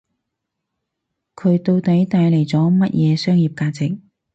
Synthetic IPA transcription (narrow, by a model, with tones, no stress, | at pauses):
kʰɵ˨˧ɥt̪o˧wt̪ɐ˨˥jt̪aː˧jle˨˩jt͡sɔː˨˥mɐ˥t̚jʔɛː˨˧sœː˥ŋjiː˨p̚kaː˧t͡sɪ˨k̚